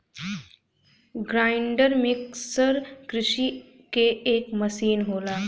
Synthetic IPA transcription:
ɡɾaːɪɳɖəɾmɪksəɾkɾɪʃi | keeːkmɐsiːnɦoːlaː

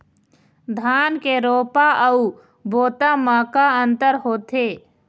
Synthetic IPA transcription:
d̪ʱaːnkeɾoːpaʔəu | boːt̪amaːkaə̃nt̪əɾɦoːt̪ʰeː

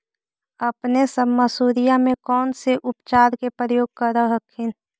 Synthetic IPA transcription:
əpnesəbməsuːɾijamẽkɔːnseʔʊpt͡ʃaːɾkepɾəjoːɡ̚kəɾəɦəkʰɪn

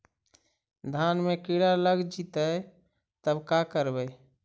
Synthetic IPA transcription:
d̪ʱanmekiɽaləɡd͡ʒit̪əj | t̪əbkakəɾbəj

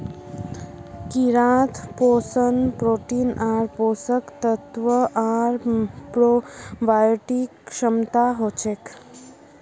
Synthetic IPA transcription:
kiɾãt̪ʰposənpɾoːʈinʔaɾpoːsəkt̪ət̪ʋəʔaɾpɾoʋajʈikʃəmt̪aɦot͡ʃʰek

